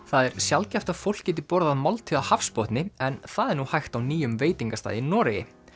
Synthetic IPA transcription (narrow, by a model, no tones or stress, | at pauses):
θaðɛɾ̥sjalcaft̪ḁfowl̥ccɛːt̪ɪpɔɾðaðmawlt̪ʰʏahafspɔht̪nɪɛnθaðɛɾnuhajxt̪awniːjʏmveːjt̪iŋkast̪a̰jðjɪnɔːɾɪjɪ̰